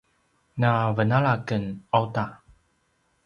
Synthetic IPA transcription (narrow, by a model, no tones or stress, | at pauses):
navənaɭakənawta